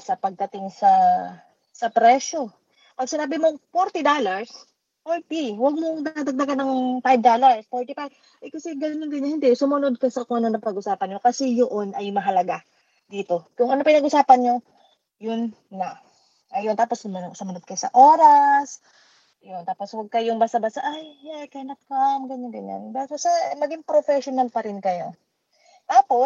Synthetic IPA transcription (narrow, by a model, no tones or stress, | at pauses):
sɐpɐɡ̚d̪ɐt̪ɪŋsɐ | sɐpɾɛʃo̞ | pɐɡ̚sɪnaːbɪmopoɾt̪ɪd̪oːlɐɹs | polt̪iwɐɡ̚moŋd̪ɐad̪ɐɡ̚d̪ɐɡanɐŋfajb̚d̪oːlɐɹspoɹt̪ɪpajb | ʔɐjkɐsɛɡɐnond̪ɪnːɐhɪnd̪ɛsʊmɐno̞d̪̚kɐsɐkʊŋʔɐnonɐpɐɡʔʊsaːpɐnɲo̞kɐsɛjoʔo̞nʔɐjmɐɦɐlɐɡa | d̪iːt̪o̞kʊŋɐnopɪnɐɡʊsaːpɐnɲo̞ | jʊnː | a | ʔɐjont̪aːposʊmɐnosʊmɐnod̪̚kɐjosɐ̰ʔo̞ːɾɐs | jont̪aːpo̞swɐɡ̚kɐjʊŋbasɐbasɐʔajːakɐɪnɐp̚kamɡɐnond̪ɪnja̰nbɛsosɐmɐɡiŋpɾofɛʃonɐlpɐɾɪnkɐjo̞ | t̪aːpo̞